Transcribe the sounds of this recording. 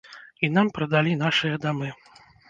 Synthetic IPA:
inampɾɐd̪alʲinaʂɨjɐd̪amɨ

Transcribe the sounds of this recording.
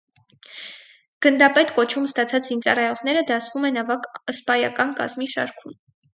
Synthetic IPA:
ɡ̥ənd̪ɑpɛt̪kɔt͡ʃʰumst̪ɑt͡sʰɑt͡szint͡sɑrɑjɔʁn̪ɛɾəd̪ɑsvumɛnɑvɑkəspɑjɑkɑnkɑ̰zmiʃɑ̰ɾkʰum

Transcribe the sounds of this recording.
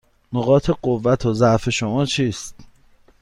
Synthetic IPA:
noɣɒːt̪ʰe̞ɢovːæt̪ʰozæʔfe̞ʃomɒːt͡ʃʰiːst̪

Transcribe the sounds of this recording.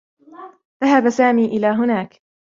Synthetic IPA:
ðaɦabasaːmiːʔɪlaːɦʊnaːk

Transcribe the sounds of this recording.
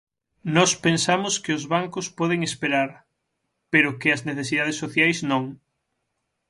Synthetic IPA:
nɔspensamʊskɪʊzβaŋkʊspɔðeŋespeɾaɾ | peɾʊkɪɐzneθesiðaðesːoθjajsnõŋ

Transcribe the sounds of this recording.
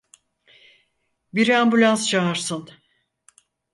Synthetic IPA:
biɾæmbylʲanst͡ʃʰaɦaɾsɯn

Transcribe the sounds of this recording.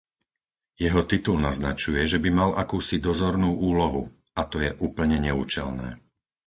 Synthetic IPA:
jɛɦɔt̪it̪ulnaznat͡ʃujɛʒɛbimalʔakuːsid̪ɔzɔɾnuːʔuːlɔɦṵ | at̪ɔjɛʔuːpl̩ɲɛɲɛuːt͡ʃɛ̰lnɛ̰ː

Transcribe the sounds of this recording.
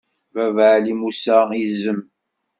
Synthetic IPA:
vævʕlimusaizəm

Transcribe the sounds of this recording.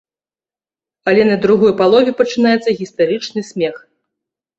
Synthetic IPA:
ɐlʲɛnɐd̪ɾuɣɔjpalˠɔvʲɛpɐt͡ʂɨnajɛt̪sɐɣʲist̪aɾɨt͡ʂnɨsʲmʲɛx

